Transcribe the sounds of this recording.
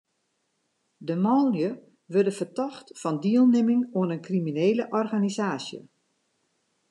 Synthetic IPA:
dəmɔljə | ʋørdəfərtɔxtfɔndiəlˠnɪmɪŋuənənkrimineːləʔɔrɣanizaːsjə̰

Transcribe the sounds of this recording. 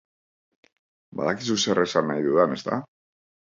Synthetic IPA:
ba̰ðakisuse̞rʔe̞sanːajðuðane̞st̪a̰

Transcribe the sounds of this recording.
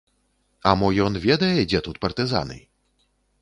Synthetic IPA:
ɐmɔjɔnvʲɛd̪ɐjɛd͡zʲɛt̪ut̪̚pɐrt̪ɨza̰nɨ̰

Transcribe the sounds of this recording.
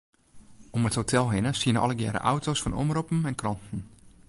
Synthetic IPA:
oməthotʰɛlˠɦɪnəsiənəɔ̰ləɡjɛ̰ːɾə̰ʔa̰wtʰosfɔnʔo̰mropm̩ɛnkrɔntn̩

